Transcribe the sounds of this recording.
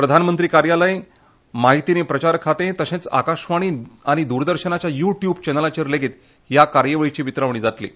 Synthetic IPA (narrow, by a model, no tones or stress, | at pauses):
pɾəd̪ʱanmənt̪ɾiːkaɾjaləj | maɦit̪inepɾət͡ɕaɾkʰat̪ẽt̪əɕẽt͡sa̰kaɕʋaɽ̃iːaɽ̃id̪uɾd̪əɾɕənat͡ɕjajuʈjubt͡ɕɛnəlat͡ɕeɾleɡeːt̪ | jakaɾjəʋəɭit͡ɕiːʋit̪ɾaʋɳ̃iːd͡zat̪lḭː